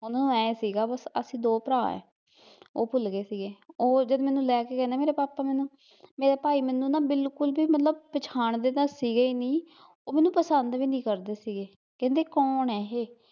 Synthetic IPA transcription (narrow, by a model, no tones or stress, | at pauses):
ɦʊnaːnũːɛːesiːɡaːbəsə̰sĩːd̪oːpəɾaːɛ̰ː | oːpʰʊlɡeːsiːɡeːoːd͡ʒəd̪mɛːnũːlɛːkeːkɛ̃ːnaɛːmeːɾeːpaːpaːmɛːnũː | meːɾeːpaːiːmɛ̃ːnũːnãːbɪlkʊlbiːmət̪ləbpət͡ʃʰaːɳd̪eːd̪əsiːɡəiːnĩː | oːmɛ̃ːnũːpəsənd̪ʋiːnĩːkəɾd̪eːsiːɡeː | kɛ̃nd̪eːkɔːnɛːɦeː